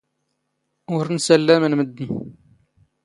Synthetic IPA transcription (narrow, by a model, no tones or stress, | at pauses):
wəɾnsælːæmənməd̪ːən